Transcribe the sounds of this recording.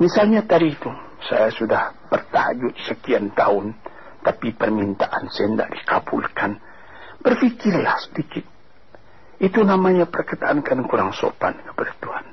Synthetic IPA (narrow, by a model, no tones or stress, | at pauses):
misalɲat̪aɾit̪u | sa̰jasudahb̥ərt̪aha̰d͡ʒʊt̪səkiant̪aʊn | t̪apipərmint̪aʔansajanda̰ʔdika̰bṵlkʰan | b̥ərfikɪrlahsə̥dikɪt̪̚ | it̪unamaɲapərkət̪aːnkanŋkuɾaŋso̰pa̰nkə̥padat̪uhan